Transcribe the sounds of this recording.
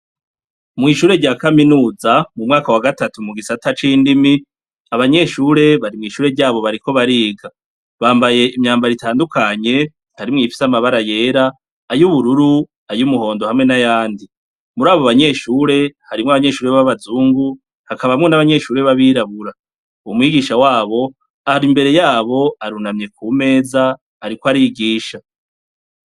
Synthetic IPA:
mŋiːʃuːɾe̞ɾɟaːkaminuːzamumŋaːkawaɡatatumuɡisatat͡ʃiːndimi | aβaɲe̞ːʃuːɾe̞βaɾimŋiːʃuːɾe̞ɟaːβo̞βaɾiko̞βaɾiːɡa | βaːmbaje̞ʔimɲaːmbaɾitaːndukʰaɲe̞ | haɾimŋiːfi̥samaβaɾaje̞ːɾaː | juβuɾuɾu | ajumuho̞ːndo̞hamŋe̞najaːndi | muɾaːβoβaɲe̞ʃuːɾe̞haɾimŋaβaɲe̞ʃuːɾeβaβazuːŋɡu | hakaβamŋonaβaɲe̞ʃuːɾe̞βaβiːɾaβuɾa | umwiːɡiːʃawaːβo̞ | ahɾimbe̞ɾe̞jaːβo̞aɾunamɲe̞kʰuːme̞ːza | aɾikoaɾiːɡiːʃa

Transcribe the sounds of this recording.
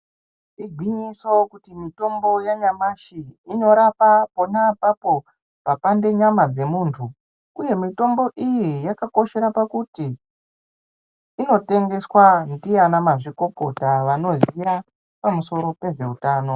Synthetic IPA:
iɡʱwiɲiso̞kutimito̞mbo̞jaɲamaʃiino̞ɾapapo̞napapo̞ | papande̞ɲamad͡ze̞muːntʰu | uje̞mito̞mbo̞ʔijijakako̞ʃe̞ɾapakuti | no̞te̞ŋɡe̞swandijanamaʐiko̞ko̞taʋano̞zija | pamuso̞ɾo̞pe̞ʐe̞utaːno̞

